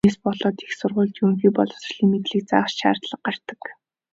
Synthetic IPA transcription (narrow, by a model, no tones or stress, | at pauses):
eːspɔɮɔːt̪i̥xsʊrʁʊːɮt̪ɵŋxiːpɔɮɞ̆w̥srɮiːŋmet̪ɮiːk̚t͡sat͡ɕʃa̰ːr̥t̪ɮə̆q̚ɢar̥t̪ə̆k